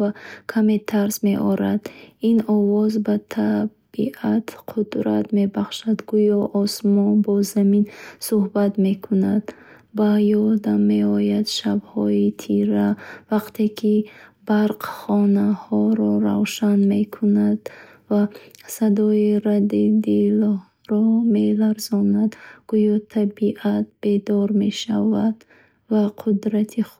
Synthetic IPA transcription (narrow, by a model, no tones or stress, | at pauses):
vakʰamet̪ʰaɾsme̞ʔɔɾad̪inɔvɔzbat̪ʰa | b̥iʔat̪qʰud̪ɾa̰t̪me̞baχʃad̪ɡujɔʔɔsmɔnbɔzaminsuhbat̪me̞kʰunad̪ | bajɔɾd̪amːe̞ɔjad̪ʃabhɔit̪ʰiɾavaqt̪ʰekʰibaɾqχɔnahɔɾɔɾawʃanme̞kʰunad̪ | vasad̪ɔiɾad̪id̪il | ɾɔme̞laɾzɔnad̪ɡ̥ujɔt̪ʰabiʔat̪̚be̞d̪ɔɾme̞ʃavad̪ | vaqʰud̪ɾat̪ʰi